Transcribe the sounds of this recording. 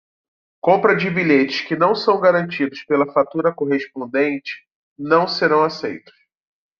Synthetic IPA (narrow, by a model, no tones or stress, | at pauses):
kõmpɾɐd͡ʒɪbiʎet͡ʃɪskɪnɐ̃w̃sɐ̃w̃ɡaɾɐ̃nt͡ʃid̪ʊspelɐfat̪uɾɐkoɦespõnd̪ẽnt͡ʃɪ̥ | nɐ̃w̃seɾɐ̃w̃asejt̪ʊ̥s